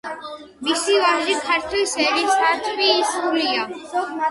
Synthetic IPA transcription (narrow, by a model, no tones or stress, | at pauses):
misivaʒikʰaɾt̪ʰilsɛɾisat̪ʰviːsulia